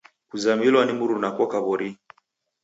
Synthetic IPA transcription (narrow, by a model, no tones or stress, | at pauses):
kuzamilwanimuɾunakɔkaβɔɾi